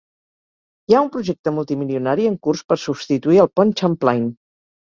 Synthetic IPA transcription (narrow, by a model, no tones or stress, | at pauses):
jaumpɾuʒɛk̚t̪əmulˠt̪imiliunaɾiəŋkurspəɾsubst̪it̪uiəlˠpɔnt͡ʃamplajn